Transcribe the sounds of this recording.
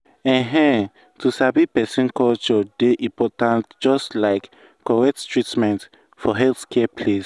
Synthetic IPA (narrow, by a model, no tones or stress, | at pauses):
ɛ̃ɦɛ̃ | tusabipɛsĩnkɔlt͡ʃɔdeʔĩmpɔtãntd͡ʒɔstlaɪkː | ɔɹɛttɹitmɛ̃nt | fɔɦɛlθkʰɛpʰles